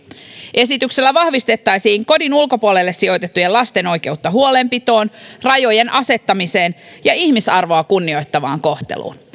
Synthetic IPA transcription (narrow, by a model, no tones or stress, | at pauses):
ʔe̞s̬it̪ykse̞lːæʋɑhʋist̪e̞t̪ːɑjsiːŋko̞dinulko̞puole̞lːesːio̞jt̪e̞t̪ːujelɑst̪e̞no̞jk̟e̞ut̪ːɑɦuo̞le̞mpit̪o̞ːnrɑjo̞je̞nʔɑse̞t̪ːɑmise̞ːnjɑiçmisɑrʋo̞ɑkunːio̞jt̪ːɑʋɑ̰ːŋko̞ht̪e̞̰lṵːn